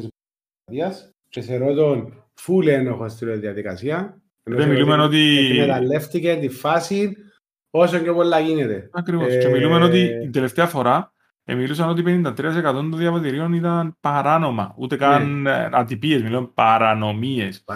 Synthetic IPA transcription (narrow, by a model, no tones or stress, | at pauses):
s | t̪iɐs | ceseɾot̪on | fulenoxost̪iɾoðiɐðikɐ̰siɐ | ðemilumeno̞t̪imet̪ɐlːeft̪icet̪ifasin | osoɲɟepolːɐɣinet̪eɐkɾivoscemilumeno̞t̪̬iind̪ele̞ft̪eɐfo̞ɾɐ | ḛmilusɐno̞t̪ipenind̪ɐt̪ɾiɐs̬ekɐt̪o̞nd̪onðjɐvɐt̪iɾio̞nit̪ɐnpɐɾano̞mɐ̰ṵt̪e̞kɐnɐt̪ipie̞zmilonpɐɾɐno̞mies